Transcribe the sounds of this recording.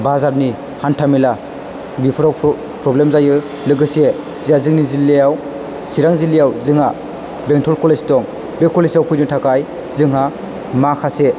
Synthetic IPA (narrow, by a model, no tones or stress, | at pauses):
bazaɾni | hantʰamila | bipʰɯɾaw | pɾɔblemzajɯ | lɯɡɯse | zijazɯŋnizilːejaw | siɾaŋzilːijawzɯŋha | beŋtʰɔlkʰɔlestɔŋ | bekʰɔlesawpʰujnɯtʰakaj | zɯŋɦa | makʰase